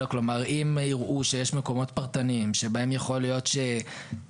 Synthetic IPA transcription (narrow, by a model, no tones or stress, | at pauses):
oklo̞maʁimiʁʔuʃe̞jeʃmeko̞mo̞tpaʁt̪animʃe̞baemjaχo̞lijo̞tʃe